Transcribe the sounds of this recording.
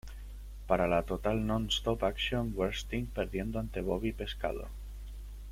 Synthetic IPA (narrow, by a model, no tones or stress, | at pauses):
paɾalat̪o̞t̪alnõnst̪opaksjoŋɡweɾst̪iŋpe̞ɾðje̞nd̪oant̪e̞β̞oβ̞ipe̞ska̰ðo̰